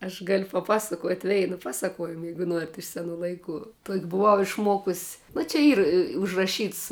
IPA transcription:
ɐʃ ɡɐlʲ pɐˈpɑːsɐkoːtʲ ˈʋʲɛɪnʊ ˈpɑːˌsɑːkoːʊjɪmʊ ˈjɛɪɡʊ ˈnuɔrʲɪt ɪʃ sʲɛˈnuː lˠɐɪˈkuː tuɔkʲ bʊˈʋɐʊ ɪʃˈmuɔkʊs nʊ t͡ʃʲɛ ˈiːr ɪ ʊʒrɐˈʃʲiːts

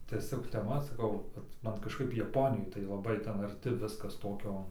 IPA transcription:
tʲiɛˈsʲoːk tʲɛˈmɐ sɐˈkɐʊ kɐt ˈmɐn kɐʃˈkɐɪp jɛˈpoːnʲɪjoːj tɐɪ lˠɐˈbɐɪ ˈtʲɛn ɐrʲtʲɪ ˈʋʲɪskɐs ˈtoːkʲoː

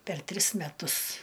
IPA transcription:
pʲɛr ˈtʲrʲɪs mʲɛˈtʊs

